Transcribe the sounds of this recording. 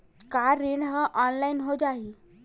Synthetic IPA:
kaɾiɳɦəʔɔnlainɦod͡ʑaɦi

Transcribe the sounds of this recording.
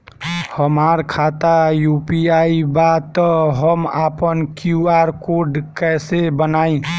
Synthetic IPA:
həmaɾkʰat̪ajupiaibat̪ɔɦəmapənkjuaɾkoɾɖkɛsebənaĩ

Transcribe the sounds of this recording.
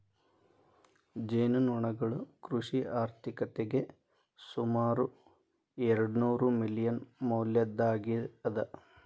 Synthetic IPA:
d͡ʒeːnunuɳɐɡɐɭukɾuʂiaːɾt̪ʰikɐt̪ːeɡe̞ | sumaːɾu | eɾɐɽunuːɾumilijɐnmoːljɐd̪ːaːɡiɐd̪ɐ

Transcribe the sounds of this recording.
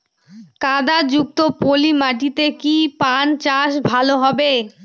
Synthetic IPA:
kad̪ad͡ʑuk̚t̪opolimaʈit̪ekipant͡ɕaʃbʱaloɦɔbe

